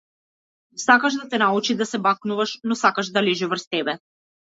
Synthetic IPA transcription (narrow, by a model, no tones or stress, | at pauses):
sakaʒd̪at̪ɛnaut͡ʃid̪asɛbaknuvaʃnɔsakaʃd̪alɛʒɛvr̩st̪ɛbɛ